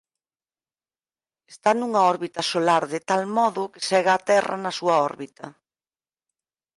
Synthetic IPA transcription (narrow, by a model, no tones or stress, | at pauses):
est̪anuŋɐɔɾβit̪ɐsolaɾðet̪almɔðʊke̥sɛɣaːt̪ɛrɐ̰nɐsuɐɔɾβit̪ɐ